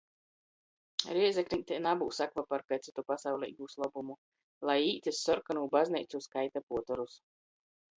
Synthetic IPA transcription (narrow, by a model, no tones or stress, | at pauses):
ɾiɛzɛkɾʲint̪ʲɛnabuːsakvapaɾkajt̪sit̪upasawlʲɛ̰ḭɡuslˠɔbumu | lˠajiːt̪ʲisːɔɾkanuːbaznɛjt̪suskajt̪apuɔt̪ɔɾus